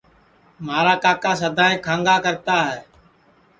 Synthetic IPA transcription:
maːɾaːkaːkaːsəd̪ʱaːɦẽːkʰãːŋɡaːkəɾt̪aːɦɛː

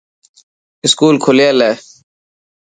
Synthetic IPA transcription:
ɪskuːlkʰoljeːleː

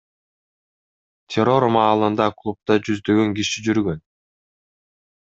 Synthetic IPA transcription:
t̪ʲʰeɾo̞ɾmɑːlˠɯnd̪ɑklˠup̚t̪ɑd͡ʒyzd̪ø̞ɡøŋɡiʃid͡ʒyɾɡø̞n

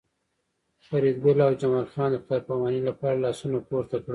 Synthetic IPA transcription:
faɾid̪ɡʊlawd͡ʒamɑlxɑnd̪əxt̪ɑɾpawɑnilapɑɾalɑsunapoɾt̪akɽu

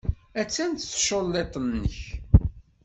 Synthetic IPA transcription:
æt͡sːænt̪θʃolːet̪ˤnːəç

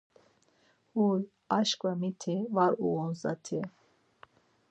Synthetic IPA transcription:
uɾ | aʃkʼvamit̪ʰivaɾuɔnza̰t̪ʰi

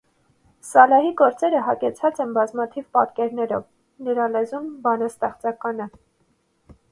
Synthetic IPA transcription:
sɑlɑɦiɡɔɾt͡sɛɾəɦɑkɛt͡sʰɑt͡sɛnbɑzmɑt̪ʰivpɑt̪kɛɾnɛɾɔ̰v | nəɾɑlɛzumbɑnɑst̪ɛχt͡sɑkɑnə

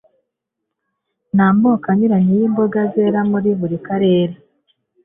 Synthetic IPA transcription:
naːmboːkaɲiɾaɲijiːmbo̞ɡaze̞ɾamuɾiβuɾikaɾe̞ːɾe

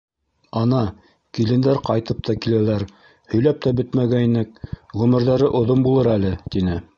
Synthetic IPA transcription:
ɑnɑ | kilɘ̆nd̪æɾqɑjt̪ɤp̚t̪ʰɑkilælæɾ | hɵ̆jlæp̚t̪æbɵt̪mæɡæinɘk̚ʁɵ̆mɘ̆ɾðæɾɘʔŏðombulˠɤɾælɘt̪inɘ

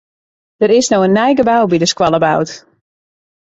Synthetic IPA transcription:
d̥əɾɪsnoənːɛjɡəbawbidəskwalˠəbawt

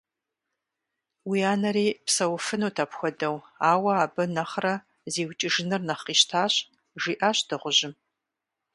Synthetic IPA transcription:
wiaːnɐɾeːpsɐwfɨnuːtʰaːpxʷɔdɐwaːwɐaːbɐnɐχrɐ | zeːwt͡ʃʼɪʒɪnɨrnɐχiːʃtʰaːɕ | ʒiːʔaːɕd̥ɨʁʷʊʑɪm

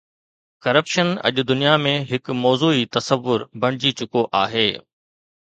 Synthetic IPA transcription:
kɐɾəpʃənɐ̰ʄʊd̪ʊnijamẽɦɪkmɔːzuːit̪ɐsəʋːʊɾbʱɐɽ̃ɪd͡ʑit͡ɕʊkoʔaːɦeː

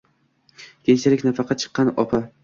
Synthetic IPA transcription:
kʲʰeŋt͡ʃʰalɪkʲnafɑqʰɑt̪̚t͡ʃʰɨ̥qːɑnɒ̰pʰa

